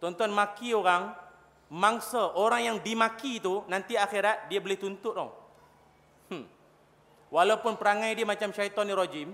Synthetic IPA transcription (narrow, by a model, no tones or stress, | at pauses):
t̪ɔnt̪ɔnmãkioɾaŋ | maŋsəʔoɾaŋjaŋdimãkit̪unãnt̪iaxeɾat̪̚diəbəlɪht̪unt̪ʊt̪̚ɔ̰ŋ | walawpʊnpəɾaŋãjdiəmat͡ʃamʃait̪ɔnːiɾɔd͡ʒim